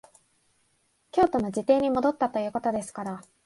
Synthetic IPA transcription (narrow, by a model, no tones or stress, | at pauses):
kʲo̞ːt̪o̞no̞d͡ʑit̪e̞ːɲ̟imo̞d̪o̞t̪ːat̪o̞jɯ̟ːko̞t̪o̞d̪e̞sɨ̥kaɾa